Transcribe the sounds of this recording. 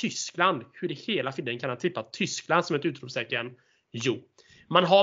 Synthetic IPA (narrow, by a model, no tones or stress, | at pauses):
t̪ʰʏskland̪hɵɖɛheːlafɪld̪ənkʰanhant̪ʰɪpːat̪ʰʏskland̪sɔmɛt̪ʉ̟ːt̪ɾuːpsɛːkəɾən | juː | manɦa